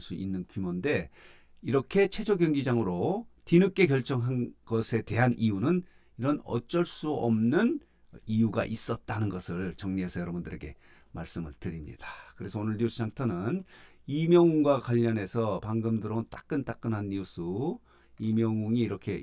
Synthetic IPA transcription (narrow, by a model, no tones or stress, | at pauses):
s͈uʔinːɯnkumʌnde̞ | iɾʌkʰe̞t͡ɕʰe̞d͡ʑoɡjʌŋɡid͡ʑaŋɯɾotinɯk͈ːe̞kjʌɭt͡ɕ͈ʌŋɦanɡʌsʰe̞te̞ɦanʔijunɯn | iɾʌnʌ̰t͡ɕ͈ʌɭs͈uʌmnɯn | ijuɡa̰ʔis͈ʌt̚t͈anɯnɡʌsʰɯɭt͡ɕʌŋɲiesʰʌjʌɾʌbundɯɾe̞̰ɡe̞ | maɭs͈ɯmɯɭtɯɾimɲḭd̥ḁkɯɾe̞sʰʌonɯɭɲiusʰd͡ʑaŋtʰʌnɯn | imjʌŋuŋɡwakwaʎːʌne̞sʰʌpaŋɡɯmdɯɾʌont͈ak͈ɯnt͈ak͈ɯnɦanːius͈u | imjʌŋuŋiːɾʌkʰe̞